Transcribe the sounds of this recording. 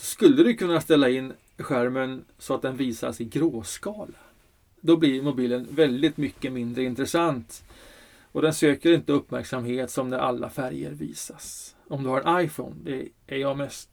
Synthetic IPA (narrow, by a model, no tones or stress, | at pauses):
sɔskɵlːəd̪ɵkʰɵnːast̪ɛlːaɪnː | ɧæɾmən | sɔat̪̚d̪ɛnviːsa̰ʂɛjɡɾoːskɑːla | d̪ɔblɪɾmʊbiːlənvɛld̪ɪt̪mʏkːəmɪnd̪ɾəɪnt̪ɾɛsant̪ | ɔd̪ɛnsøːkəɾɪnt̪əɵpːmæ̰ɾksamɦeːt̪sɔmnæɾʔa̰lːa̰fæɾjə̰ɾvḭːsasɔmd̪ɵhaɾɛnʔajfɔ̰ːnd̪ɛ̰ʔæɾjɑːmɛst̪